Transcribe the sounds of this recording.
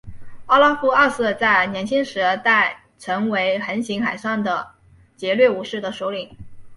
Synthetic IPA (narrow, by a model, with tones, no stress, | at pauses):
ɑ˥˧la˥fu˥a˥˧sɹ̩˥˧t͡sa˥˩ɪnjɛ˧˥nt͡ɕʰi˥ŋʂɻ̩˧˥t̪a˥˩ɪ | ʈ͡ʂʰɤ˧˥ŋwe˧˥ɪxə˧˥nɕi˧˥ŋxa˨˩ɪʂɑ˥˩ŋd̪ə˩ | t͡ɕjɛ˧˥lɥɛ˥˩u˧˥ʂɻ̩˥˩d̪ə˩ʂo˧˥ʊli˨˩˦ŋ